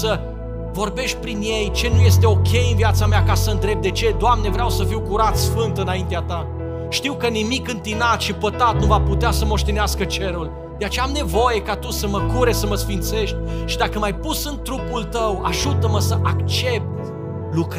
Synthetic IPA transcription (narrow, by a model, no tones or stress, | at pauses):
sə | vo̞rbe̞ʃt̪̚ʲpɾinje̞jt͡ʃe̞nuje̞s̬t̪e̞o̞kʲe̞jɨnviat̪sameakasəɨnd̪ɾe̞p̚d̪e̞t͡ʃe̞d̪oamne̞vɾeawsəfiwkuɾat̪sfɨnt̪ɨnaint̪eat̪a | ʃt̪iwkənimikɨnt̪inat̪ʃipət̪at̪̚nuvaput̪easəmo̞ʃt̪eneaskət͡ʃe̞ɾul | d̪e̞at͡ʃeamne̞vo̞je̞kat̪usəməkuɾesəməsfint̪se̞ʃt̪ʲʃid̪akəmajpusɨnt̪ɾupult̪əwaʒut̪əməsəʔakt͡ʃe̞p̚t̪ | luk